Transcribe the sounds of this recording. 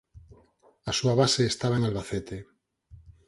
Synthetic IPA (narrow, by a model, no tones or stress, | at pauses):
asuaβaseːst̪aβaeŋalβaθet̪e